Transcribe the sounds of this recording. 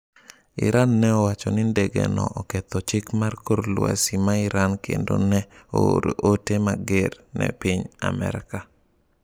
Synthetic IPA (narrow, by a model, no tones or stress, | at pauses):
ɪ̰ɾanːɛɔwat͡ʃɔnɪndeɡenɔʔɔket̪ɔt͡ʃɪkmarkoɾlwa̰simaɪɾankʰḛndonɛooɾoʔotemaɡernɛ̰piɲa̰mɛ̰ɾka